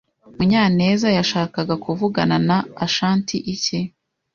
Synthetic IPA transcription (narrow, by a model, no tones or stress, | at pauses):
muɲaːne̞ːzajaʃaːkaɡakuvuɡananaːʃaːntiʔice